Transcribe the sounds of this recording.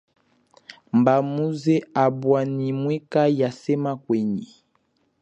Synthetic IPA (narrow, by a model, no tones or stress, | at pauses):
mbamuzeabwanimwɛkajasɛmakwɛɲi